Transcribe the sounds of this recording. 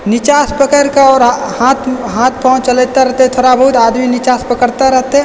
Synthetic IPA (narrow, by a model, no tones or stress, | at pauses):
nɪt͡ʃaːspəkəɾkaɔːɾhaːt̪ʰɦaːt̪ʰpɔ̃ɦʊ̃t͡ʃəlet̪aɾɐɦt̪eɦɛ̃t̪ʰoːɾabəɦʊt̪aːd̪minɪt͡ʃaːspəkəɾt̪aɾɐɦt̪eɦɛ̃